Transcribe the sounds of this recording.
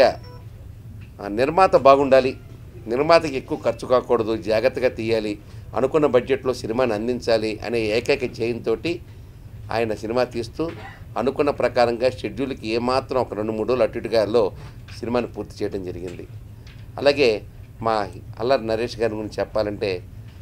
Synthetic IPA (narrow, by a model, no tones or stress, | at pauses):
a | niɾmaːt̪ɐbaːɡuɳɖaːli | niɾmaːt̪ɐkie̞kːuʋɐkɐɾt͡ʃukaːkɔːɽɐd̪ud͡ʒaːɡɐt̪ːɐɡaːt̪iːjaːliɐ̰nukunːɐbɐd͡ʒd͡ʒeʈlo̞ːsinimaːniɐnd̪iɲt͡ʃaːliʔɐ̰ne̞ːeːkɐjkɐd͡ʒejɐnt̪o̞ːʈi | a̰ːjɐnɐsinimaːt̪iːst̪uː | ɐnukunːɐpɾɐkaːɾɐŋɡaːʃeɖjuːlɐkieːmaːt̪ɾɐ̃mɔkɐɾeɳɖumuːɽolɐʈːiʈuɡaːɾlo̞ː | sinimaːnipuːɾt̪i̥t͡ʃɛːjɐʈɐmd͡ʒɐɾiɡind̪ḭ | ɐ̰laːɡe̞ːmaːɐ̰lːɐɾnɐɾeːʂɡaːɾniɡuɾiɲt͡ʃit͡ʃɛpːaːlɐɳʈe̞ː